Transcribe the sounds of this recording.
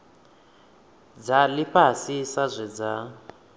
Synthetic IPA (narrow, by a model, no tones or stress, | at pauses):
d͡zaliɸasisazʷɛd͡za